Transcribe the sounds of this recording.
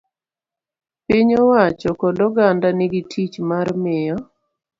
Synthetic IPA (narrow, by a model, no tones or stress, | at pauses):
piɲɔwat͡ʃɔkɔdɔɡandanɪɡitʰit͡ʃmarmɪjɔ